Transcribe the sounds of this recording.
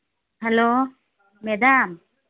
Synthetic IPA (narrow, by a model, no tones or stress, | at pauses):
hɛlo | med̪am